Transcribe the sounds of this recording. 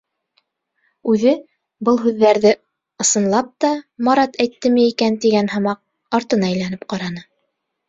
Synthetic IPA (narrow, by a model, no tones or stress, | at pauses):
ʉðɘ | bɤlˠɦʉðːæɾðɘ | ɤ̆sɤ̆nlˠɑp̚t̪ɑmɑɾɑt̪æjt̪ːɘmɘikænt̪iɡænhɤ̆mɑq̚ | ɑɾt̪ɤ̆nɑæjlænɘp̚qɑɾɑnɤ